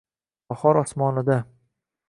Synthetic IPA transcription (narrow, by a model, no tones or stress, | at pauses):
bɒχɒɾɒsmɒnɪd̪a